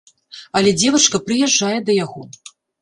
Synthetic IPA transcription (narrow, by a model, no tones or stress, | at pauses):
ɐlʲɛd͡zʲɛvɐt͡ʂkɐpɾɨjɛʐːajɛd̪ɐjaɣɔ